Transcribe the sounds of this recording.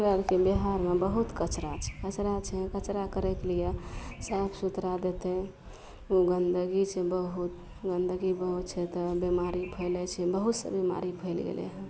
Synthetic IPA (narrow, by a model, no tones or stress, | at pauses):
ɾəɾkebeɦaɾmebəɦut̪kət͡ʃɾat͡ʃʰɛ̥kət͡ʃɾat͡ʃʰɛ̃kət͡ʃɾakəɾɛkelijesabʰsut̪ɾad̪et̪ɛ | oɡənd̪ʱəɡit͡ʃʰɛbəɦut̪ | ɡənd̪ʱəɡibəɦut̪t͡ʃʰɛt̪ɔbemaɾipʰəɪlɛt͡ʃʰɛbəɦut̪sə̰bima̰ɾipʰəɪlɡḛlḛɦɛ̃